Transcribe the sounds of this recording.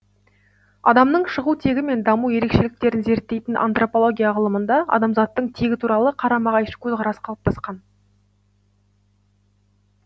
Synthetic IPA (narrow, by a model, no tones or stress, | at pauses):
ɑ̰d̪ɑmnəɴʃəʁut̪ʰe̞ɡʲɪme̞nd̪ɑmuje̞ɾe̞kʃe̞lɪk̚t̪e̞ɾɪnze̞ɾt̪ːe̞jt̪ɪnʔa̰nt̪ro̞polˠo̞ɡʲijaʁəlˠəmənd̪ɑɑ̰d̪ɑmzɑt̪ːəɴt̪ʰe̞ɡʲɪt̪ʰuɾɑlˠəqʰɑɾɑmɑʁɑjʃə̥kʲʰɵzʁɑɾɑsə̥qʰɑlˠəp̚t̪ʰɑsqɑn